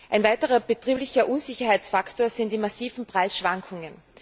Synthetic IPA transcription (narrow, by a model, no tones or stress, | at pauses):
ʔaɪnvaɪtəʁɐbətʁ̥iːblɪçɐʔunzɪçɐhaɪt͡sfaktoːɐzɪnt̚d̥iːmasiːvn̩pʁ̥aɪsʃv̥aŋkʰʊŋən